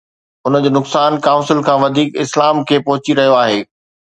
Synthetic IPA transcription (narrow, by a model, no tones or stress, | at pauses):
ʊnə̆d͡ʑoːnʊksaːnkaːʊ̃nsɪlkʰãːʋɐd̪ʱiːkɪslaːmkʰeːpɐɦʊt͡ɕiɾɐɦijoaːɦeː